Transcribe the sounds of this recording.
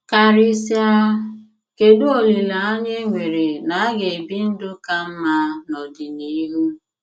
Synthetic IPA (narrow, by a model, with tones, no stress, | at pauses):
ka˨ɾi˦sja˦ | ke˨du˦o˨li˨la˨a˦ɲe˦ŋʷe˨ɾe˨na˨a˦ɡe˨e˨bi˦n̩˦dʊ˦ka˦m̩˦ma˦nɔ˨dɪ˨ni˦ɦu˦